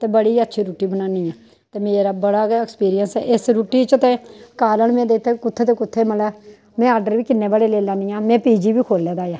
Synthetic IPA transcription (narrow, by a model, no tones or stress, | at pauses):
t̪eːbəɽiːətːʃʰiːɾuːʈiːbənãːniːãː | t̪eːmeːɾaːbəɽaːɡɛkspiːɾɪjənsɛ̰ːʔɪsɾuːʈiːt͡ʃət̪eːkaːləɳmẽːd̪eːɪt̪ʰːeːkʊt̪ʰːeːt̪eːkʊt̪ʰːeːməlɛː | mɛ̃ːaːɾɖəɾʋiːkɪnːeːbaːleːleːlãːniːãːmɛ̃ːpiːd͡ʒiːʋiːkʰoːlːɛːd̪aːjaː